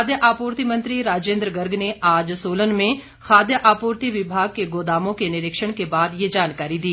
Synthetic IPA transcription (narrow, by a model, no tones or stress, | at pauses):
d̪jəʔaːpuːɾt̪imɐ̃nt̪ɾiɾaːd͡ʒẽːnd̪ɾɡəɾɡneaːd͡ʒsoːlənmẽ | xaːd̪jəʔaːpoːɾt̪iʋɪbʱaːɡ̚keɡoːd̪aːmõkenɪɾɪkʃəɽ̃kebaːd̪jed͡ʒaːnkaːɾid̪iː